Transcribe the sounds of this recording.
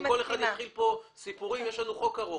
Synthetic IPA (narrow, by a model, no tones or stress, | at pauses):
kole̞χad̪naːχilpo̞sipuʁimjeʃlanuχo̞kaʁo